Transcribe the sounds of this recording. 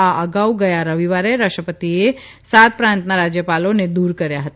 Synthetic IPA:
aʔəɡaːuɡɐjaɾəʋiʋaːɾeɾəkʃʈəpət̪ie | saːt̪̚pɾãːnt̪naɾaːd͡ʒjəpaːlõned̪uːɾkəɾjaɦət̪a

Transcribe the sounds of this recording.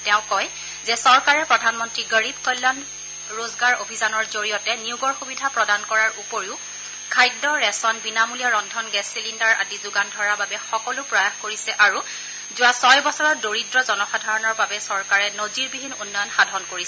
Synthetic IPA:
tɛʊ̃kɔj | zɛsɔɹkaɹɛpɹɔdʱanmɔntɹiɡəɹibkɔjlːan | ɹozɡaɹobʱizanɔɹzoɹijɔtɛniʊɡɔɹxubidʱapɹɔdankɔɹaɹupoɹiʊ | kʰajdɔɹɛsɔnbinamulijaɹɔndʱɔnɡɛsilindaɹa̰dizʊɡandʱɔɹababɛxɔkɔlʊpɹɔjaxkoɹisɛʔaɹu | zʊwasɔjbɔsɔɹɔdoɹidɹɔzɔnɔxadʱaɹɔnɔɹbabɛsɔɹkaɹɛnoziɹbibʱinunːɔjɔnxadʱɔnkoɹisɛ

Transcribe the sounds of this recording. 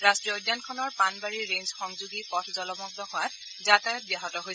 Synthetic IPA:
ɹastɹiɔdːjankʰɔnɔɹpanbaɹiɹenzxɔŋzuɡipɔtʰzɔlɔmɔɡ̚dɔxʰɔat̚ | zatajɔt̚bijaɦɔtɔɦojsɛ

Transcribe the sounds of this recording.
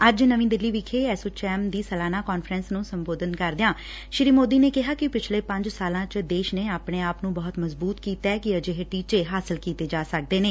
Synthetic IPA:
əd͡ʒnəʋĩːd̪ɪlːiːʋɪkʰeːɛːsoːt͡ʃɛːmd̪iːsəlaːnaːkɔːnfʰɾənsnũːsəmboːd̪ənkəɾd̪ɪjãː | ʃɪɾiːmoːd̪iːneːkɪɦaːkɪpɪt͡ʃʰleːpə̃ɲd͡ʒsaːlãːt͡ʃd̪eːʃneːaːpɽeːaːpnũːbɔːt̪məzbuːt̪kiːt̪ɛːkɪəd͡ʒeːɦʈiːt͡ʃeːɦaːsɪlkiːt̪eːd͡ʒaːsək̚d̪eːneː

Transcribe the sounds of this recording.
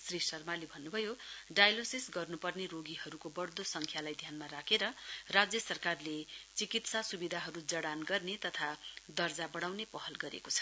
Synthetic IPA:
srisʌrmalebʱʌnːubʱʌjoɖajlosisɡʌrnupʌrneɾoɡiɦʌɾukobʌɽd̪osʌŋkʰjalajd̪ʱjanmaɾakʰeɾʌrad͡zjʌsʌrkarlet͡sikit̪sasubid̪ʱaɦʌɾud͡zʌɽanɡʌrnet̪ʌt̪ʰad̪ʌrd͡zabʌɽ̃awnepʌɦʌlɡʌɾḛkot͡sʰʌ̥

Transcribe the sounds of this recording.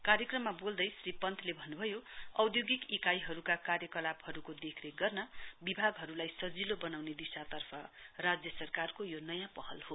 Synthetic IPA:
kaɾjʌkrʌmːabold̪ʌjsripʌnt̪ʰlebʱʌnːubʱʌjoʌwd̪joɡikikajɦʌɾukakarjʌkʌlabhʌɾukod̪ekʰneɡʌrnʌbibʱaɡɦʌɾulajsʌd͡zilobʌnawned̪isat̪ʌrpʰʌrad͡zjʌsʌrkarkojonʌjãpʌhʌlho

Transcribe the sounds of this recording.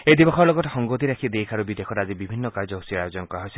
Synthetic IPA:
ejd̪ibɔxʰɔɾlɔɡɔtɔxɔŋɡot̪iɾakʰid̪ejkʰaɾubid̪ekʰɔɾad͡ʒibibʱinːɔkaɾd͡ʒɔɦusiajod͡ʒɔnɔkɔaɦojsi

